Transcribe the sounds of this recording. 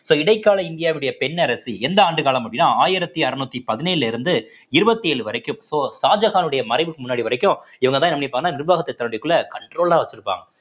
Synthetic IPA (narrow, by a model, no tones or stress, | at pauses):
soːɪɽɐɪkːaːlɐɪnd̪ɪjaːʋɪɯɽɐjɐpɛnːɐɾɐsiɛnd̪ɐaːɳɖɯkaːlɐmɐpɽːɪnːaːaːjɪɾɐt̪ːiɐɾɯnuːt̪ːipɐðɪneːlɯlɪɾɯnd̪ɯ | ɪɾɯbɐt̪ːieːɭɯʋɐɾɐkːɯmsoːsaːd͡ʒɐɣaːnɯɽɐjɐmɐɾɐɪʋɯkːɯmʊnːaːɽiʋɐɾɐɪkːʊ̃ | ɪʋɐŋɡɐt̪ãːnɐmːnipːaːɯnːaːnɪɾbaːɣɐt̪ːɐt̪ːɐɾɐnɽɪjkːɯɭlːɐkɐɳʈɾoːɭaːʋɐt͡ʃːɯɾɯpːa̰ːŋɡɐ